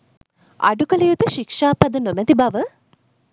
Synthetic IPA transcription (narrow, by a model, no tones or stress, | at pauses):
ɐ̰ɖukɐlɐjut̪uʃikʂaːpɐd̪ənomɛt̪ibɐʋə